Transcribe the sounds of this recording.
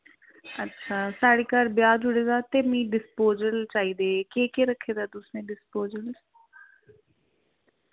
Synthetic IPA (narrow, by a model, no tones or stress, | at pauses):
ətːʃʰaːsaːɽeːkaɾbjaːd͡ʒʊɽeːd̪aːt̪eːmĩːɖɪspoːzəɾt͡ʃaːiːd̪eːkeːkeːɾəkʰːeːd̪aːd̪ʊsnẽːɖɪspoːzəl